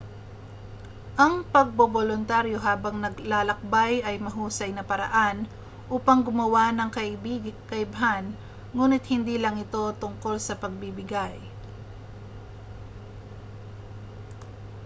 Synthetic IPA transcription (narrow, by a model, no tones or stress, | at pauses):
ʔɐŋpɐɡ̚bobolʊnt̪aɾjo̞ɦaːbɐŋnɐɡlaːlɐk̚bajɐjmɐɦuːsɐjnɐpɐɾɐ̰ʔan | ʔuːpɐŋɡʊmɐwanɐŋkɐʔɪbikɐʔɪbɦan | ŋuːnɪt̪̚hɪnd̪iːlɐŋɪt̪o̞t̪ʊŋko̞lsɐpɐɡ̚bibɪɡaj